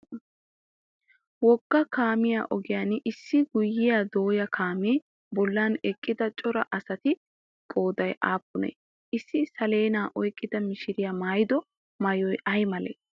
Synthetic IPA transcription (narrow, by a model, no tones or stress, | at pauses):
wɔɡ̥ːɐkaːmɪjaːʔɔɡɪjaːnʔɪsːɪɡʊjːɪjaːd̪o̞ːjɐkʰaːmiː | bɔlːaːnɛkʼːɪd̪ɐt͡ʃʼɔɾɐ̰ʔɐsɐt̪ɪ | kʼo̞ːd̪ɐjʔaːpːʊnḛː | ɪsːɪsɐle̞ːnaːʔɔjkʼːɪd̪ɐmɪʃɪɾɪjamaːjɪd̪ɔ | mɐjɔjʔɐjmɐlḛː